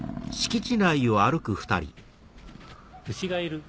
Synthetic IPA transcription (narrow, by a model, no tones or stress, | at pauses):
ɕi̥kʲit͡ɕinaio̞aɾɯ̟kɯ̟ɸɯ̟̥t̪a̰ɾʲḭ | ɯɕiɡaiɾɯ̟